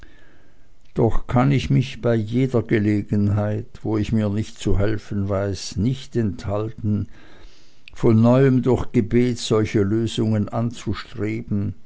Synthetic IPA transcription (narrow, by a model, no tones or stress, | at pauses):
d̥ɔχkʰanɪçmɪçb̥aɪjeːdɐɡəleːɡənɦaɪtv̥oːɪçmiːɐnɪçtt͡suɦɛlfən̩vaɪsnɪçtɛnthaltn̩ | fɔnːɔʏəmdʊɐçɡ̥əbeːtz̥ɔlçəløːzʊŋənʔant͡suʃtʁ̥eːbn̩